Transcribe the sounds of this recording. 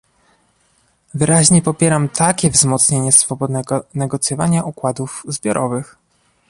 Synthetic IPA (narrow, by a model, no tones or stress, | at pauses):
vɘɾaʑɲɛpɔpʲjɛɾamt̪ʰakʲɛvzmɔt̪sɲeɲɛsfɔbɔd̪nɛɡɔnɛɡɔt̪sʲjɔvaɲaʔukwad̪ufzbʲjɔɾʔɔvɘx